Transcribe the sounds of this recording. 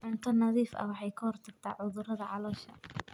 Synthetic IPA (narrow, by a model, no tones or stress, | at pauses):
ħʊnt̪ʰɐnɐðiːfɐ̰wɑħɑjkʰɐhɔrt̪ʰɐɡ̚t̪ʰaːʕʊðʊɾɐðɐʕɑlɔːʃɐ̰